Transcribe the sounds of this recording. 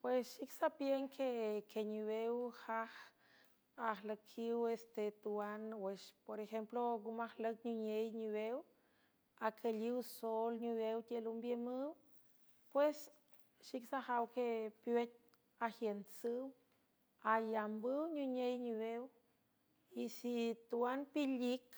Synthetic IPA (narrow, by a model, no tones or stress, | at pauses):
pwesʃiksapjeŋkʰekʰeɲuwewhah | ahləkʰiwest̪et̪uanweʃpoɾexemploɡumahlək̚ɲuɲejɲuwew | akʰəliwsolɲuwewt̪ʲelumbjemɨw | pwes | ʃiksahawkepjet̪̚ʲ | ahjensɨw | ajambɨwɲuɲejɲuβew | isit̪uanpilik